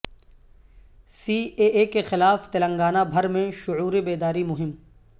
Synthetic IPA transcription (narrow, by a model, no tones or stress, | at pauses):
siːeːʔeːkexɪlaːft̪ɪlə̃ŋɡaːnabʱɐɾmẽʃʊuːɾebeːd̪aːɾimʊɦɪm